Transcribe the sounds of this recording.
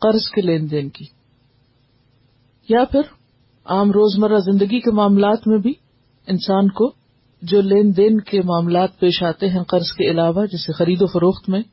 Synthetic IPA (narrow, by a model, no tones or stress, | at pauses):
qɐɾzkeleːnd̪eːnkiː | japʰɪɾ | aːmɾoːzmɐɾazɪ̃nd̪əɡikemaːmlaːt̪mẽbʱi | ɪnsaːnko | d͡ʒoːleːnd̪eːnkemaːmlaːt̪̚peːʃaːt̪eɦɛ̃qɐɾzkeɪlaːʋad͡ʒɪsexɐɾiːd̪ofɐɾoːxt̪mẽ